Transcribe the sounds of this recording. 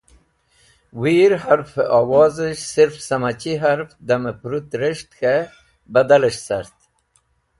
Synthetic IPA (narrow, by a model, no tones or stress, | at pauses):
wiːɾhaɾfawɑːzəʃsiɾfsamat͡ɕiɦaɾfd̪amepɾut̪ɾəʂt̪xe | bɐd̪aləʂsaɾt̪